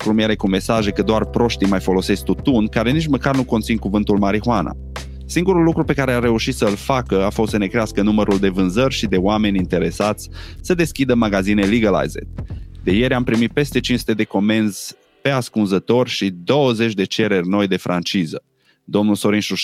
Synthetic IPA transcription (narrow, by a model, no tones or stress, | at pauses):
kɾumjeɾe̞kume̞saʒe̞kəd̪oarpɾo̞ʃt̪ijmajfo̞lo̞se̞sk̚t̪ut̪unkaɾe̞nit͡ʃməkarnukont̪sinkuvɨn̪t̪ulmaɾihwanʔa̰ | siŋɡuɾulːukɾupe̞kaɾeare̞uʃit̪səɨlfakəafost̪səne̞kɾeaskənuməɾʔuld̪e̞vɨnzərʲʃid̪e̞oame̞nʲint̪e̞ɾe̞sat̪sʲsəd̪e̞skʲid̪əmaɡazine̞liɡəla̰jzḛt̪̚d̪e̞je̞ɾʲampɾimit̪̚pe̞st̪e̞t͡ʃinsu̥t̪ed̪e̞ko̞me̞nz̥ | pe̞askunzət̪o̞rʲʃid̪o̞wəze̞t͡ʃʲd̪e̞t͡ʃe̞ɾe̞rʲno̞jd̪e̞fɾʔant͡ʃizə | d̪o̞mnulso̞ɾinʃu